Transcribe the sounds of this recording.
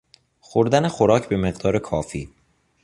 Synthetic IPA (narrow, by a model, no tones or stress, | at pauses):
xoɾd̪ænexoɾɒːcʰbe̞me̞ɢd̪ɒːɾe̞kʰɒːfḭː